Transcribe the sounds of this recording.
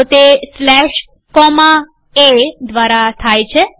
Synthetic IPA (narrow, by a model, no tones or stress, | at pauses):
ot̪eslɛʃ | kɔma | ed̪ʋaɾat̪ʰajt͡ʃʰe